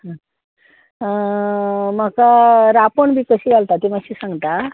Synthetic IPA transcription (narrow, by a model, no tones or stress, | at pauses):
ɦã | məkaɾapoɳbʱiːkəɕiːd͡zalt̪at̪imaɕiːsãŋɡt̪a